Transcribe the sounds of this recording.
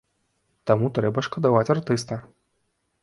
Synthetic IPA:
t̪amut̪ɾɛbɐʂkɐd̪avat͡sʲart̪ɨst̪ɐ

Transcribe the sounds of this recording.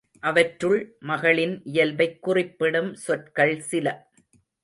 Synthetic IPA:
ʔɐʋɐʈɾɯɭmɐɣɐɭɪnʔɪjɐlʋɐɪkːʊrɪpːɪɽɯmsɔʈkɐɭsɪlɐ

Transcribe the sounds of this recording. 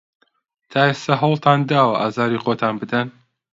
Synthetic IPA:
t̪ʰaːest̪ɐɦɐwlˠt̪ʰaːnd̪aːwɐʔaːzɑːɾiːxot̪ʰaːnbɨd̪ɐn

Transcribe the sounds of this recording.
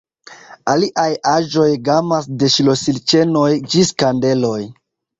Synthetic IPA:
aliʔajaʒo̞jɡamasde̞ʃilo̞silt͡ʃe̞no̞jd͡ʒiskande̞lo̞j

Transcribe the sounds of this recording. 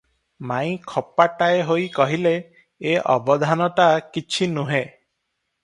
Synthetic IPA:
maĩkʰɔpaʈaeɦojkɔɦileː | ʔɔ̰bɔd̪ʱanɔʈakit͡ʃʰinuɦe

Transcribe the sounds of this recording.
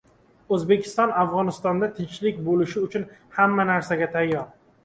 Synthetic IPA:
ɵzbe̞kʲʰɪ̥st̪ɒnafʁɒnɪst̪ɒnd̪at̪ʰɪnt͡ʃlɪk̚ʲbolɪʃɪʊt͡ʃʰʊnhamːanaɾsaɡʲat̪ʰajːɒɾ

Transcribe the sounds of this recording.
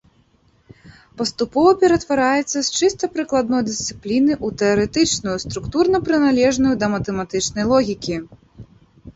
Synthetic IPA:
pɐst̪upɔvɐpʲɛɾɐt̪vaɾajɛt̪sːɐst͡ʂɨst̪ɐpɾɨklˠad̪̚nɔjd̪ɨst̪sɨplʲinɨʔut̪ɛɐɾɛt̪ɨt͡ʂnujust̪ɾukt̪urnɐpɾɨnalʲɛʐnujud̪ɐmɐt̪ɛmat̪ɨt͡ʂnɐjlˠɔɣʲikʲi

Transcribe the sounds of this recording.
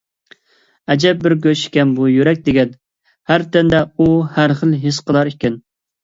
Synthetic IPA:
ɛd͡ʒɛp̚bɪɾɡʲøʃɪ̥kʲɛnbujyɾɛk̚ʲd̪ɪɡʲɛn | hæɾt̪ʰɛnd̪ɛuhæɾχəlˠɦɪsqəlˠɑɾikʲɛn

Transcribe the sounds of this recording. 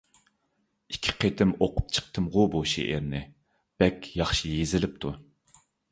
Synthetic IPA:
ikʲʰi̥qʰet̪ʰɪmoqʰʊ̥p̚t͡ʃʰə̥q̚t̪ʰɨmʁʊboʃḭʔeɾnɪ | b̥ɛkʲjɑχʃijezɪlɪp̚t̪ʰu

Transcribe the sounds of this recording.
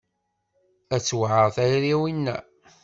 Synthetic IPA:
æt͡sːwʕəʁθæjɾiwinːæ̰

